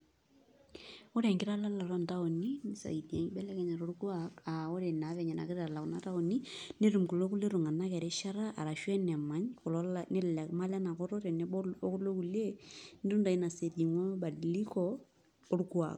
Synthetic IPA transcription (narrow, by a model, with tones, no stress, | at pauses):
o˦ɾɛ˨ŋɡɪ˦ɾa˦la˦la˨ɾɔ˦n˨ta˦o˨ni˦ni˦sa̰˨i˨di˨ɛ˨ɲ˦bɛ˦lɛ˦kɛ˦ɲa˨ɾo˦ɾkwa˨ka˨o˦ɾe˨na˨˦βɛ˨ɲɛ˨na̰˨kɪ˦ɾa˨la˨kna˨ta˦o˨ni˦ne˦ɾu˨mku˨lo˦ku˦le˦ɾu˨ŋa˨na˦kɛ˨ɾe˦ʃa˦ɾa˦ʔa̰˨ɾa˨ʃwɛ˦nɛ˨ma˨ɲkɔ˨lɔ˦ne˦llɛ˨kma˦lɛ˦na˨kɔ˦ɾo˦ɾe˨ne˦bo˦ku˦lo˦ku˨le˦n˦du˦nda˨i˦na˨se˨ði˨ŋɔ˦ba˨dli˦kɔː˦ | ɾku˦a̰˨k